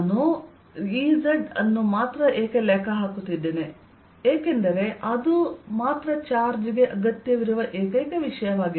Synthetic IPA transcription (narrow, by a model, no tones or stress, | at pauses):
nu | iːzɐɖɐ̰nːumaːt̪ɾɐʔeːkelɛːkɐɦaːkut̪ːid̪ːeːne | eːke̞nd̪ɐɾe̞ʔɐd̪umaːt̪ɾɐt͡ʃaːɾd͡ʒiɡe̞ʔɐɡɐt̪jɐʋiɾuʋɐʔeːkɐːkeʋiʂɐjɐʋaːɡi